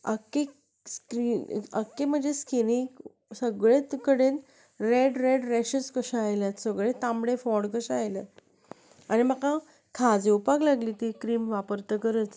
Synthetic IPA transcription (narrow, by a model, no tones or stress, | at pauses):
ə̰kːe | skɾinəkːem̤əɳd͡zeskinik | səɡɭet̪kəɽen | ɾeɖɾeɖɾeɕəskəɕaajlat̪səɡɭẽt̪ãmɽefɔɽkəɕaːjlə | añimakã | kʰad͡zewpaklaɡliːt̪ikɾiːmʋapəɾt̪əkəɾət͡s